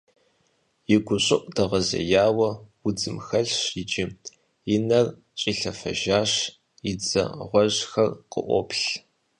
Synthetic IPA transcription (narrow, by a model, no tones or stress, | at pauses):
jɪɡʷʊɕʼɪʔʷʼdɐʁɐzɐ̰jaːwɐwʊd͡zɨmxɐɮɕid͡ʒɪ | ɪnɐr | t͡ʃʼiːɬɐfɐ̰ʒaːɕ | id͡zɐ̰ʁʷɔʑxɐrqʼə̰ʔʷɔ̰pɬ